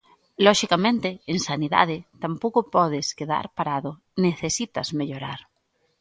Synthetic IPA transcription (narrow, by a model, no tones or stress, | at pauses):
lɔʃikamẽnt̪eensaniða̰ðet̪ampokopɔðeskeða̰ɾpaɾaðo | neθesit̪a̰zmeʎoɾa̰ɾ